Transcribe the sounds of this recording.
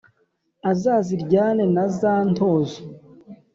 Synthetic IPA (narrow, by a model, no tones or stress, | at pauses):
azaːziɾɟaːnenazaːnto̞ːzo